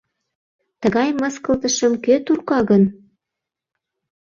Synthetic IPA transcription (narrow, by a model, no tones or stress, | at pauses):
t̪əɣɑjməskə̆lt̪ə̆ʃə̆mkøt̪urkɑɣən